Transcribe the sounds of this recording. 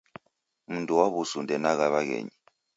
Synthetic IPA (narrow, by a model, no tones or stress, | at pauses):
muntʼuwaβusundɛnak̬aβak̬ɛ̰ːɲi